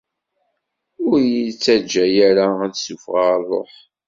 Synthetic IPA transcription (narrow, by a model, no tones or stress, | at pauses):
ʊɾjit͡sːæd͡ʒːæjæɾaæsufʁarˤo̰ħ